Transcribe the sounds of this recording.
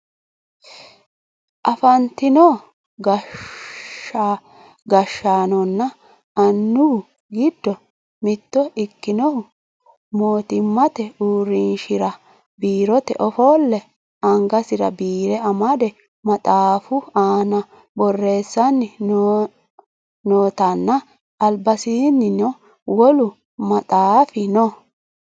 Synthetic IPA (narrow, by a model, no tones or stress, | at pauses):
ʔɐfɐnt̪ːɪnɔ | ɡɐ | a | ɡɐʃːaːnɔnːɐ | ɐnːʊhʊ | ɡɪd̪ːɔ | mɪt̪ːɔɪkːɪnɔhʊ | mo̞ːt̪ɪmːɐt̪ɛuːɾinʃɪɾɐ | biːɾɔt̪ɛ̰ʔɔfɔlːɛ | ɐŋɡɐsɪɾɐ̰biːɾɛɐmɐd̪ɛ | mɐt̪ʼaːfʊaːnɐ | bɔrːe̞ːsːɐnːɪ | noːt̪ɐnːɐ | ɐlbɐsiːnːɪnɔ | wɔlʊ | mɐt̪ʼaːfɪnɔ